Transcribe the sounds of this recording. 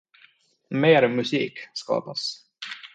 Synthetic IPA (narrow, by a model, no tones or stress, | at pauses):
meːɾmʉsiːkskɑ̰ːbɑs